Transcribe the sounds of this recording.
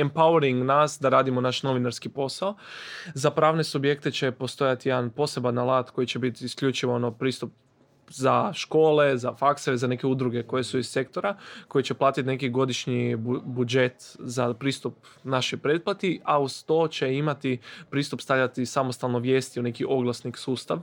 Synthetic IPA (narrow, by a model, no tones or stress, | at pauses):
empawɾiŋɡnasd̪aɾaːd̪imonaʃno̞ʋinaɾskipo̞saozapɾaːʋne̞subje̞kt̪et͡ɕe̞po̞st̪o̞jat̪ijed̪anpo̞se̞banːalˠaːt̪ko̞jit͡ɕe̞bit̪iskʎʲut͡ʃiʋoonopɾiːst̪up̚ | zaʃko̞ːle̞zafakseɾezane̞ke̞ud̪ɾuɡe̞ko̞je̞suizse̞kt̪o̞ɾako̞jit͡ɕe̞plˠaːt̪it̪ne̞kiɡo̞d̪iʃɲiubud͡ʒe̞t̪zapɾiːst̪up̚naʃojpɾe̞ːd̪̚plˠat̪iaust̪o̞ːt͡ɕe̞imat̪ipɾiːst̪upst̪aʎʲat̪isamo̞st̪alˠnoʋjeːst̪iune̞kiʔo̞ɡlˠasniksuːst̪aʋ